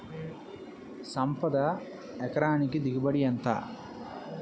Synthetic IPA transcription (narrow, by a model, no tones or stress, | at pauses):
sɐmpɐd̪ɐ | ɛkɐɾaːnikid̪iɡibɐɽiɐnt̪a̰ː